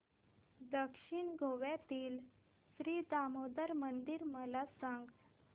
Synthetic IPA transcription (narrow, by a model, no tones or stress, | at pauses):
d̪əkʂiɳɡʱoʋjat̪iːl | sɾiːd̪amod̪əɾmənd̪iɾməlasãŋɡ